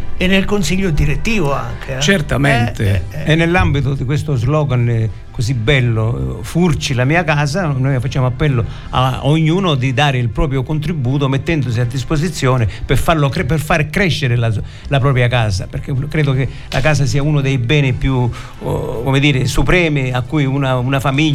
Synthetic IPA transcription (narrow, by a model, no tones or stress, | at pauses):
enːelkonsiʎːod̪iɾet̪ːiːvoa̰ŋkʰet͡ʃert̪ament̪eɛnːelːambit̪ʊd̪ikwest̪ozlɔːɡan | kosibːɛlːofurt͡ʃilamiːakaːzanojfat͡ʃːjaːmoapːɛlːo | a̰oɲːuːnʊd̪id̪aːɾɪilpɾɔːp̬ɾjokont̪ɾibːuːt̪̬omet̪ːɛnd̪ʊs̬iad̪ːispos̬it̪sːjɔːnɪpɪfaɾlokɛpɪrfaːɾkɾɛʃːɪɾɪla | lapɾɔːpɾjakaːza̰peɾk̟ɪkːɾɛːd̪ʊkɪ | la̰kaːz̬asiːaunʊd̪ejbɛːnɪpju | komɪd̪iːɾɪsupɾɛːmɪakːujunaunafamiʎː